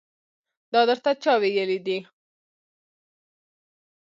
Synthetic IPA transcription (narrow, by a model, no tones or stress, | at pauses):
d̪ɑd̪əɾt̪at͡ʃɑwejəlid̪i